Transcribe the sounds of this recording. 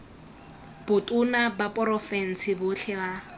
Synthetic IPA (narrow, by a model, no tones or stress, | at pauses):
b̥ʊtʼʊnabapʼɔrɔfɛn̩sɪbʊɬʰɛba